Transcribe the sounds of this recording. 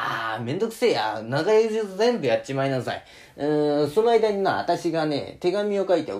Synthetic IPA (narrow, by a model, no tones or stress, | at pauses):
amẽ̞nd̪o̞kɯ̟̥seja̰naɡajoʑizẽ̞mbɯ̟jatt͡ɕimainasa̰ḭ | ɯ̃so̞noaid̪aɲ̟imaa̰t̪aɕiɡane̞̰t̪e̞ɡamʲio̞kait̪e̞o